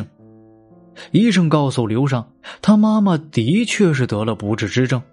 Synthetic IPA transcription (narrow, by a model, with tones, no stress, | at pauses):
ŋ | i˥˧ʂ̬ɤ˥˧ŋkɑ˥˩ʊsu˨˩ljo˧˥ʊʂ̬ɑ˥˩ŋt̪ʰa˥ma˥ma˨t̪i˧˥t͡ɕʰɥɛ˥˧ʂ̬ɻ̩˥˩t̪ɤ˧˥lə˧pu˧˥ʈ͡ʂɻ̩˥˩ʈ͡ʂɻ̩˥ʈ͡ʂɤ˥˩ŋ